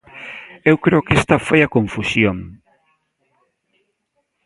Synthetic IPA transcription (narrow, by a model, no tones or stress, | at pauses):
ewkɾeʊkest̪ɐfojɐkoɱfusjoŋ